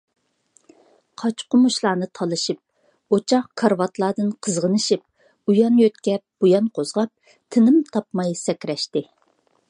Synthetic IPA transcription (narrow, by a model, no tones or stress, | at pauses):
qʰɑt͡ʃqʊmuʃlˠɑːnɨt̪ʰɑlˠɨʃip̚ | ot͡ʃʰɑχkʰɑɾwɑt̪lˠɑːd̪ɨnqʰəzʁənɨʃip̚ | ujɑnjøt̪kʲɛp̚b̥ujɑnqʰozʁɑp̚ | t̪ʰɪnɪmt̪ʰɑpmɑjsɛkʲɾɛʃt̪ɪ